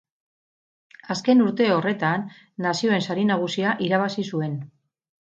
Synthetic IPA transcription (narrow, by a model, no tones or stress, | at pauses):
aske̞nuɾt̪e̞o̞re̞t̪anː | asio̞e̞nsaɾinaɣ̞usiaʔiɾaβ̞asisue̞n